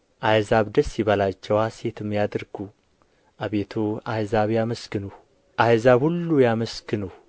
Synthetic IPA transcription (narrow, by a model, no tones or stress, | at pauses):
ʔajzaβd̪əsːiβalat͡ʃːɛwase̞t̪ʰɨmːjad̪ɨɾɡu | ʔaβet̪ʰoajzaβjaməskɨnuh | ʔajzaβhulːujaməskɨnuh